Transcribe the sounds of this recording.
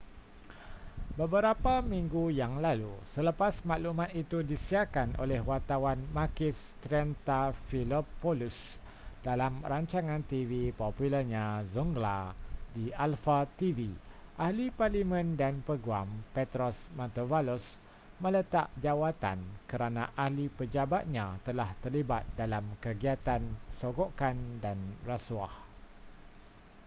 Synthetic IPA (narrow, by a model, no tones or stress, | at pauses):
bəbəɾapamĩŋɡujaŋlalusələpasmaʔlumãt̪it̪udisiakanʔo̰lɛhwart̪awanmakɪst̪ɾɛnt̪afilopolus | d̥alamraɲt͡ʃaŋãnt̪ivipopuləɲãzuŋɡla̰diʔalfat̪iviʔahliparlimə̃ndanpəɡuampet̪ɾɔsmãt̪ovalus | mə̃lət̪aʔ̚d͡ʒawat̪a̰nkəɾanã̰ʔahlipəd͡ʒabat̪̚ɲãt̪əlaht̪ərlibat̪̚dalamkəɡiat̪ansoɡokandanrasuah